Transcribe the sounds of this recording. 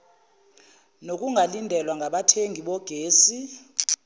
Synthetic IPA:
nok̬ʼuŋʱalindʱɛlwaŋʱaɓatʰeŋʱiɓɔɡ̥ʱeːsi

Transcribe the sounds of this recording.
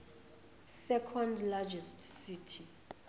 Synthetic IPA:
sɛkʰɔndlad͡ʒɛstsitʰi

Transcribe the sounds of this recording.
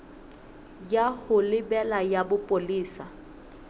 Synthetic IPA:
jahʊlɪbɛlajabʊpʼoliːsa

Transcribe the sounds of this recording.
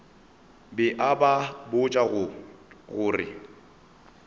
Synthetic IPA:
bɪʔababʊt͡ʃʼaɣʊɣʊːrɪ̰

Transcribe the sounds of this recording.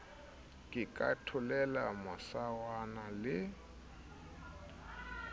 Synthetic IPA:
kʼɪkʼa̰tʰʊlɛlamasawanalɪ

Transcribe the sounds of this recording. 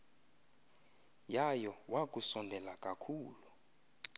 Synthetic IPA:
jajɔwak̬ʼusɔndʱɛlakʼakʰuːlu

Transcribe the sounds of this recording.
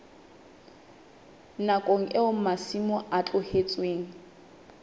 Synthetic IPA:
nakʼoŋ̩ʔɪʊm̩masimʊʔat͡ɬʼʊhet͡sʼweːŋ̩

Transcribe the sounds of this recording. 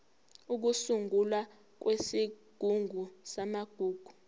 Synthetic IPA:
uk̬usuŋɡula | k̬wesiɡ̥ʱuŋʱusamaɡ̥ʱuːɡ̥ʱu

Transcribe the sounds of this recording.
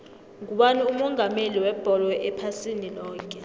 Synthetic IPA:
ŋuɓaniumɔŋʱameliwɛb̥ʱɔlɔʔɛpʰasinilɔːkʼɛ

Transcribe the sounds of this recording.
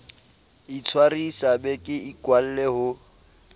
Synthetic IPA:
it͡sʰwarisabɛkʼɪikʼwal̩lɛhʊ

